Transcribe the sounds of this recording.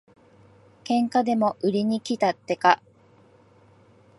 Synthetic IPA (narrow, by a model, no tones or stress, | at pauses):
kẽ̞ŋkad̪e̞mo̞ʔɯɾʲiɲ̟ikʲit̪at̪ːe̞ka